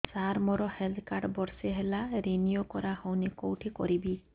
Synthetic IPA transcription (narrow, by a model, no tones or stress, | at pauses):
saɾmɔɾɔheld̪kaɖbɔɾseɦelaɾeniokɔɾahɔwnekowʈʰikɔɾibi